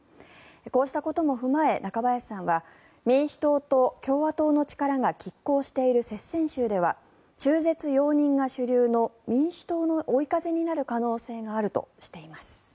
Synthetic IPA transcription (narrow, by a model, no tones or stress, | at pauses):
eko̞ːɕi̥t̪ako̞t̪o̞mo̞ɸɯ̟mae̞nakabajasãɰ̃βa | mʲĩɰ̃ɕi̥t̪o̞ːt̪o̞kʲo̞ːβat̪o̞ːno̞t͡ɕi̥kaɾaɡakʲikːo̞ːɕi̥t̪e̞iɾɯ̟se̞sẽ̞ɕɨːd̪e̞β̞a̰ | t͡ɕɨːze̞t͡sɨjo̞ːɲ̟ĩŋɡaɕɨɾʲɯːno̞mʲĩɰ̃ɕɨ̥t̪o̞ːnoʔoikaze̞ɲ̟inaɾɯ̟kano̞ːse̞ːɡaːɾɯ̟t̪o̞̰ɕi̥t̪e̞imasɨ̥